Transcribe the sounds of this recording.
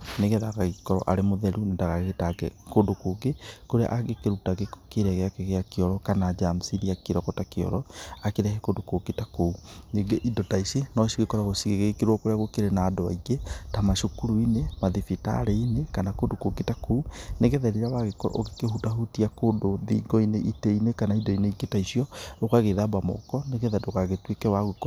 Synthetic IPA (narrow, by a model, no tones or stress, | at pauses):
neɣɛðaɣaɣikɔɾɔ̰ʔaɾemoðɛɾunendaɣaɣeɣetaɡɛ̰kodokoɡekoɾea̰ʔaɣekeɾutaɣeko̥keɾɛɣeakeɣeakeɔɾɔkanaːd͡ʒamsiðiakeɾɔkɔtakeɔ̰ɾɔakeɾɛhɛkodokoɡetakouneɡeʔidɔtaisinɔʃiɣekɔɾɔɣosiɣeɣeekeɾwɔkoɾeaɣokeɾenaːdɔa̰iɡetamaʃokuɾuinemaðifita̰ɾeinekanakondokokitakouneɣeðɛɾiɾaβaɣeokeɦutaɦutiakoːndoðḭɡɔineʔiteinekanaidɔineiɡetaiʃiɔokaɣeðabamɔ̰kɔneɣeðɛdokaɣetwekɛwaɣukɔ